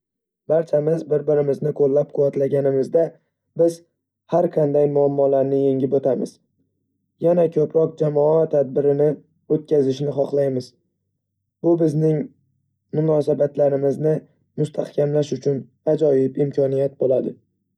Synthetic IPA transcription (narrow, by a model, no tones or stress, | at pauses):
baɾt͡ʃʰamɪzbɪɾbɪɾɪmɪznɪqʰolːap̚qʰʊvat̪laɡʲanɪmɪzd̪a | bɪz | haɾqʰɑnd̪ajmʊamːɒlaɾnɪje̞ŋʲɪbot̪ʰamɪz̥ | janakʲʰɵpɾɒq̚d͡ʒamɒat̪ʰad̪̚bɪɾɪnɪ | ot̪̚kʲʰazɪʃnɪχɒχlˠajmɪz | bʊbɪznɪŋ | mʊnɒsabat̪laɾɪmɪznɪ | mʊst̪ʰahkʲʰamlaʃʊt͡ʃʰʊn | ad͡ʒɒjɪpɪmkʲʰɒnijat̪̚bolad̪ɪ